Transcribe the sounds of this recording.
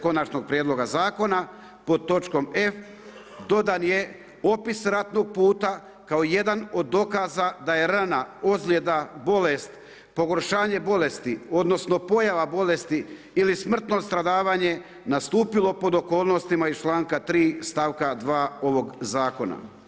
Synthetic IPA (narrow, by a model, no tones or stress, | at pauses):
ko̞nat͡ʃno̞ɡ̚pɾjed̪lˠo̞ɡazaːko̞na | po̞d̪̚t̪o̞t͡ʃko̞me̞f | d̪o̞d̪anje̞ | o̞pisɾat̪no̞ɡ̚puːt̪a | kaoje̞d̪ano̞d̪ːo̞kazad̪aje̞ɾanaozɡlʲjed̪abo̞lest̪ | po̞ɡo̞ɾʃaːɲe̞bo̞le̞st̪io̞d̪no̞sno̞po̞jaʋabo̞le̞st̪iː | lismr̩t̪no̞st̪ɾad̪aːʋaːɲe̞ | nast̪uːpilo̞po̞d̪o̞ko̞ːlˠno̞st̪imait͡ʃlˠaːŋkat̪ɾiːst̪aʋkad̪ʋaːo̞ʋo̞ɡzaːko̞na̰